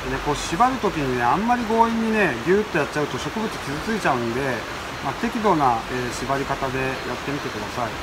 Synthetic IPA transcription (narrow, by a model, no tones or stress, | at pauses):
ne̞ko̞ːɕibaɾɯ̟t̪o̞kʲiɲ̟ine̞ãmːaɾʲiɡo̞ːiɲ̟ːine̞ɡʲɨːt̪ːo̞jatt͡ɕːaɯ̟t̪o̞ɕo̞kɯ̟bɯ̟t͡sɨ̥kʲizɨt͡sɨit͡ɕaɯ̟̃nd̪e̞ | mat̪e̞kʲid̪o̞ːnaeːɕibaɾʲikat̪ad̪e̞jat̪ːe̞mʲit̪e̞kɯd̪asaḭ